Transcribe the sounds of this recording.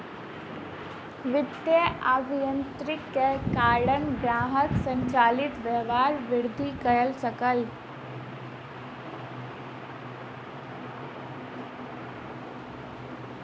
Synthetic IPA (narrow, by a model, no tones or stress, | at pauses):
ʋɪd̪jəaːbʱijə̃nt̪ɾɪkːekaːɽənɡɾaːɦəksə̃ɲt͡ʃaːlɪt̪ʋɛʋaːɾʋɪɾd̪ʱikəɾəlsəkəl